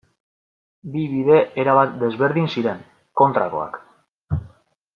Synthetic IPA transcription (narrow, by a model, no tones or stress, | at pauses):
biβiðe̞ʔeɾaβ̞at̪̚d̪e̞zβe̞ɾðinsiɾe̞ŋ | ko̞nt̪ɾako̞̰a̰k